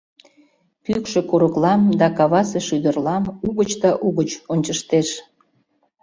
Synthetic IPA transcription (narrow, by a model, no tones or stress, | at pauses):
pykʃĕkuɾəklɑmd̪ɑkɑβɑseʃyd̪ərlɑmuɣət͡ɕd̪ɑʔuɣət͡ɕonʲt͡ɕəʃt̪eʃ